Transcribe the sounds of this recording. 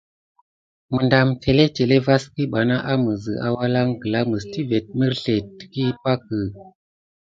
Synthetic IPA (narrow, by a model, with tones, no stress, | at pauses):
mɨ˨nda˨mtʰe˨le˦t͡ʃe˨le˦va˦ski˦ɓa˨na˦ʔa˦mə˨zɨ̰˨a˨wa˦la˦ŋɡə˨la˦mə˨sti˦ve˨t̚mi˦ɾɬe˨tki˦pa˦kə˨